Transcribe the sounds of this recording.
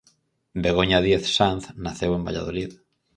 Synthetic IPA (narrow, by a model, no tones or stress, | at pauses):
beɣ̞oɲaðjeθsanθnaθewembaʎa̰ð̞olið